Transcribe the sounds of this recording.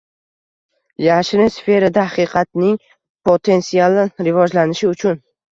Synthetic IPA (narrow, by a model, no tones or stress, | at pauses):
jaʃɾɪmsfe̞ɾad̪aaqʰɨqʰɑt̪nɪŋ | pʰot̪ʰe̞nsialˠɪɾɪvɒd͡ʒlanɪʃɪʊt͡ʃʰʊn